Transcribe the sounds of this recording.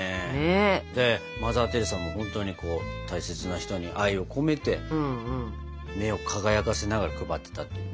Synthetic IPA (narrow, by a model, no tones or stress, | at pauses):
eed̪e̞ | mazaːt̪e̞ɾɯsãmːohõ̞nt̪o̞ɲ̟iko̞ːt̪aise̞t͡sɨnaçi̥t̪o̞ɲ̟iʔaio̞kʰo̞me̞t̪ẽ̞ | me̞o̞kʰaɡajakase̞naɡaɾakɯ̟bat̪ːet̪at̪ːe